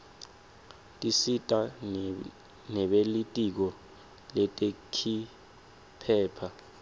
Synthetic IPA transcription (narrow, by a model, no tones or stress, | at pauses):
tʼisitʼa | nɛɓelitʼik̬ɔ | lɛtʼekʰi | pʰɛːpʰa